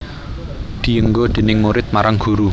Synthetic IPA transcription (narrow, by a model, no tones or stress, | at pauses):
d̪̥i̤əŋɡod̪̥e̤nɪŋmuɾɪt̪̚maɾaŋɡ̥ṳɾu